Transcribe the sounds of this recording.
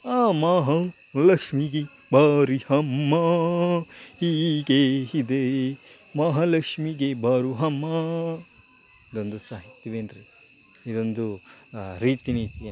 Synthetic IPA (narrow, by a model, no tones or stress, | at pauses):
aːmaːɦɐ | lɐkʂmiɡi | bʱaːɾihɐmːɐ | hiːɡehid̪e | mɐːɦɐlɐkʂmiɡebɐːɾuɦɐmːɐ | id̪ond̪usaːɦit̪jɐʋeːnɾi | id̪ond̪u | ɾiːt̪iniːt̪ije